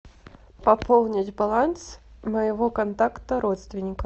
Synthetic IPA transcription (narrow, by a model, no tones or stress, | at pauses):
pɐpɔlˠnʲɐd͡zʲbalˠansmɐjvɔkant̪akt̪əɾɔt̪st̪vʲinʲikɐ